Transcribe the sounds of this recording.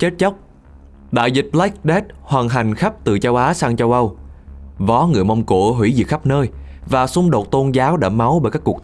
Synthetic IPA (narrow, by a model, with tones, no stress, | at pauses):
t͡ɕe˦˥t̚t͡ɕa˦˥wk͡p̚ | ɗa̰ː˧˨jzï˨˩k̚la˦˥k̚ɗɛ˦˥t̚hwaː˨˩nɦa˨˩jŋ̟xa˦˥p̚t̪ɨ˨˩t͡ɕə˧wʔaː˨˦saː˧ŋt͡ɕə˧wʔə˧w | vɔ˨˦ŋɨ˨˩əjma˧wŋ͡mko˧˩ɦwḭ˧˩zɨ̰˨˩xa˦˥p̚nəː˧jvaː˨˩sʊ˧ŋ͡mɗo˨˩t̚t̪o˧nzaː˨˦wɗa̰ː˧˥ma˨˦wɓəː˨˩kaː˦˥kːu˨˩k